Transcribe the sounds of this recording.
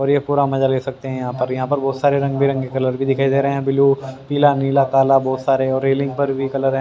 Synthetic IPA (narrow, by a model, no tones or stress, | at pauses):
ɔːɾjeɦpuːɾamɐd͡ʒaleːsɐk̚t̪eɦɛ̃jɐɦãːpɐɾjɐɦãpɐɾbɔːt̪saːɾeɾɐ̃ŋɡbʱiɾɐ̃ŋɡkekɐləɾbʱid̪ɪkʰaːid̪eɾɐɦeɦɛ̃bɪlupiːlaniːlakaːlabɔːt̪saːɾeɔːɾːeːlɪ̃ŋɡ̚pɐɾbʱikɐləɾɦɛ̃